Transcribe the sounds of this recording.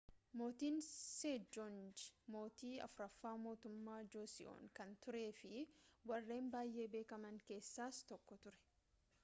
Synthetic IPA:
mo̞ːt̪iːnseːd͡ʒond͡ʒɪ̥mo̞ːt̪iːɐ̰fʊɾɐfːaːmo̞ːt̪ʊmːaːd͡ʒoːsɪ̰ʔo̰ːŋkɐnt̪ʊɾe̞ːfɪwɐrːe̞ːmbaːjːʔe̞ːbe̞ːkɐmɐŋke̞ːsːaːst̪ɔkːɔt̪ʊɾɛ̥

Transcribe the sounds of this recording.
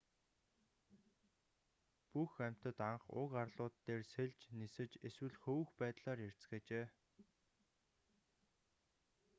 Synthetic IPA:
puxæm̥ʲt̪ə̆t̪aɴχʊ̰karɮʊːt̪ːeːrseɮt͡ɕnisɘ̆t͡ɕeswɘ̆ɮxɵwɘ̆xpæːt̪ɮaːɾer̥t͡sɡeːt͡ɕeː

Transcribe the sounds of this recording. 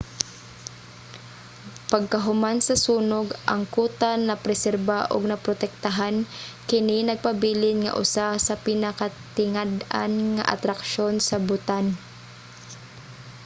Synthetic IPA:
pɐɡ̚kɐɦʊmansɐsuːnoɡʔɐŋkuːt̪anɐpɾɛsɛɾbaʔo̰ɡ̚nɐpɾot̪ɛk̚t̪aɦankɪninɐɡ̚pɐbiːlɪnŋɐ̰ʔʊ̰sasɐpɪnakat̪ɪŋad̪a̰nŋa̰ʔa̰t̪ɾɐkʃonsɐbʊt̪an

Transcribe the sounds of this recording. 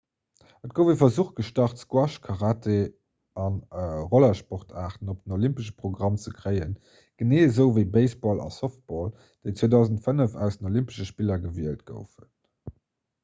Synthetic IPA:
ət̚ɡ̥oʊvifɐzuχt̚ɡ̥əʃtɑχtskwɑʃkʰɑʁaːtʰe | ɑnəʁolɐʃpɔʁtʰaːʁtən̩op̚d̥ənolimpəʃə̥pχoɡʁɑmt͡səkʁəɪən | ɡ̥əneːzəʊvəɪbeɪsbɔlɑ̰sɔft̚b̥ɔl | d̥eɪt͡sweːdɑʊzəntfənəfæ̰ʊsdənolimpə̥ʃəʃpilɐɡəviəlt̚ɡ̥ə̰ʊfən

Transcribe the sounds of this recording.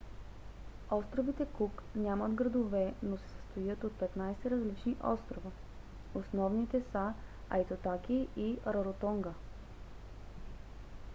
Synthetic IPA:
ɔst̪ɾovit̪ɛkuknʲaməd̪ɡɾɐd̪ovɛnosɛ̥səst̪ojət̪ot̪̚pɛt̪najsɛɾɐzlit͡ʃniʔɔ̰st̪ɾovə | osnɔvnit̪ɛsə | a̰it̪ot̪akiʔiɾɐɾot̪ɔŋɡə

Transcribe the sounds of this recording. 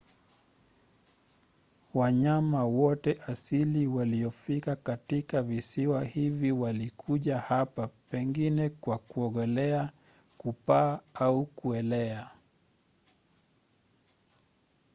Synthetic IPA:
waɲamawɔtɛʔasiliwaliɔfikakatikavisiwahiviwalikʰuʄahapapɛŋɡinɛkwakuɔɠɔlɛa | kupaːaukuɛlɛa

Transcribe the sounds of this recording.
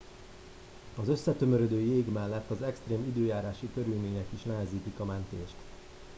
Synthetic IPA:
ɒzø̞sːɛt̪ø̞møɾød̪øːjeːɡmɛlːɛt̪ːɒzɛkst̪reːmid̪øːjaːɾaːʃikø̞ɾylmeːɲɛkiʃnɛɦɛziːt̪ikɒmɛnt̪ḛːʃt̪

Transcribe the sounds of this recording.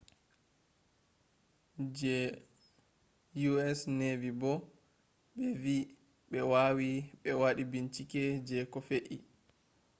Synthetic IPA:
d͡ʒɛ | juɛsnevibɔ | ɓɛvi | ɓɛwaːwiɓɛwaɗibint͡ʃikɛd͡ʒɛkɔfeʔi

